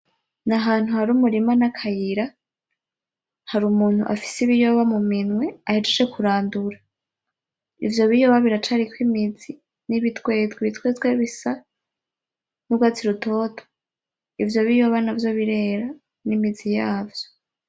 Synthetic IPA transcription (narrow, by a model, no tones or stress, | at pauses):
naɦaːn̥huhaɾuːmuɾimanakʰajiɾa | haɾumuːn̥hṵʔa̰fi̥siβijoβamuminŋwe̞ahed͡ʒet͡ʃekuɾaːnduɾa | ivjo̞βijoβaβiɾat͡ʃaɾikwimizi | niβitwe̞zɡweβitwezɡweβisa | nubɡat͡siɾuto̞ːtʰo̥ | ivjo̞βijo̞βanavjo̞βiɾe̞ɾa | nimizijaːvjo̥